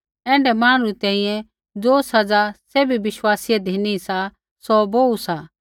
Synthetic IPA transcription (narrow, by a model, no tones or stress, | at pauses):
ɛ̃ːɳɖɛmaːɽ̃ɾut̪ɛ̃ːĩjɛ̃ | d͡zoːsɐd͡zaseːbibɪʃwaːsɪjɛd̪ʱiːniisa | sɔboːusa